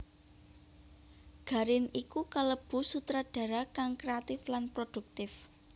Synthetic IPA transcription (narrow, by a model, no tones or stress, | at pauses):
ɡ̥ä̤ɾɪnikukaləb̥ṳsut̪ɾaɖ̥ä̤ɾakaŋkɾeat̪ɪflanpɾod̥uk̚t̪ɪf